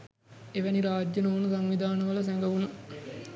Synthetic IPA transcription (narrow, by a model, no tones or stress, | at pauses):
eʋæniɾaːd͡ʒjənoːnəsaŋʋid̪ʱaːnəʋəlɐs̬æŋɡəʋunə